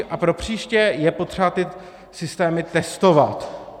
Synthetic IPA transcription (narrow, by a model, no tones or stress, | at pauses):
ʔapɾo̞pr̝̥iːʃcɛjɛpo̞t̪r̥ɛbat̪ɪ | sɪst̪ɛːmɪt̪ɛst̪o̞vat̪